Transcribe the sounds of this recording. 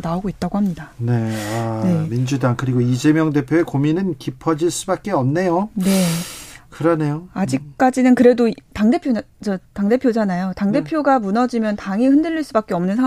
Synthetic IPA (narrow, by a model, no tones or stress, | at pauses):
naoɡoit̚t͈aɡohamɲidane̞anemind͡ʑudaŋkɯɾiɡoid͡ʑe̞mjʌŋde̞pʰjoekominɯnkipʰʌd͡ʑiɭs͈ubak̚k͈eʌmne̞jone̞kɯɾʌne̞joad͡ʑik̚k͈ad͡ʑinɯnkɯɾe̞dotaŋde̞pʰjo | t͡ɕʌtaŋde̞pʰjod͡ʑanajotaŋde̞pʰjoɡamunʌd͡ʑimjʌntaŋihɯndɯʎːiɭs͈ubak͈̚e̞ʌmnɯnsʰa